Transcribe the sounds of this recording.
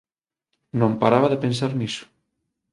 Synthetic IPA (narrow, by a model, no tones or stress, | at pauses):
nõmpaɾaβaðepensaɾnisʊ̥